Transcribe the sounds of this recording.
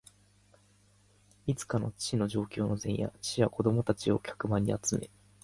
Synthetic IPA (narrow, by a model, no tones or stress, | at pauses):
it͡sɨ̥kano̞t͡ɕi̥t͡ɕino̞ʑo̞ːkʲo̞ːno̞zẽ̞ɰ̃ja̰t͡ɕi̥ijako̞d̪o̞mo̞t̪at͡ɕio̞kʲḁkɯ̟maɲ̟ːḭat͡sɨmʔe̞̰